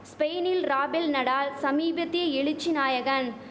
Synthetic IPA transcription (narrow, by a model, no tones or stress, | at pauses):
speːnɪlɾaːbɛlnɐɽaːlsɐmiːbɐt̪ːɪjɐɛɭɪt͡ʃːinaːjɐɣɐn